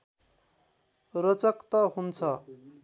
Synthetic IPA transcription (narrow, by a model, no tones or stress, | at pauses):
rʌt͡sʌkt̪ʌɦunt͡sʰʌ